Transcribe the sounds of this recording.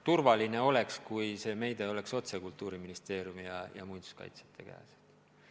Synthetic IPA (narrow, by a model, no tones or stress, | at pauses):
t̪urvɑline̞o̞le̞kskujse̞ːme̞jd̪eo̞le̞kso̞t̪se̞kult̪ˑːuːɾiminist̪e̞ːɾjumijɑjɑ̰mujnd̪̥u̥skɑ̰jt̪se̥t̪ʰˑːe̞kæ̰ːsed̪̥